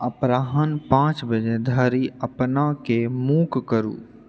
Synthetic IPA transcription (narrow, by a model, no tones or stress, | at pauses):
əpɾaːɦənpãːt͡ʃbəd͡ʒed̪ʱəːɾiəpnakemuːkkəɾṵː